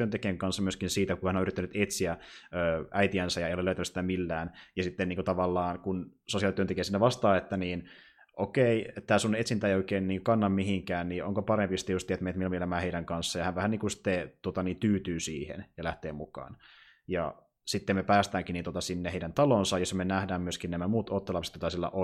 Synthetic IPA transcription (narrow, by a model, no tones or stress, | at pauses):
yønt̪ekieŋkɑnsːɑmyøskinsiːt̪ækuhænonyɾrit̪ːænyt̪et̪siæøːʔæit̪iænsæjɑeijoleløˑyt̪ænysit̪æmilːæːnjɑsit̪ːeniːŋkut̪ɑʋɑlːɑːnkunsosiɑlit̪yønekieːsinːeʋɑst̪ɑːet̪ːæniːn | ʔokeiet̪ːæːsunet̪sint̪æeioikeːnniːŋkɑnːɑmmihiŋkæːnniːoŋkopɑɾempist̪ijust̪iet̪menet̪ilomielæmæːheiɾæŋkɑnsːɑjɑhænʋæhænniːŋkunsi̥t̪ːet̪uot̪ɑniːnt̪yːt̪yːsiːhḛnjɑlæht̪eːmukɑ̰ːn | jɑ̰ | sit̪ːemepæːst̪æːŋkinint̪uot̪ɑsinːeheiɾænt̪ɑlonsɑjosːmenæhdæːmyøskinæmæmuːt̪ot̪ːelɑpse̥t̪jot̪ɑsilːæ̰ʔo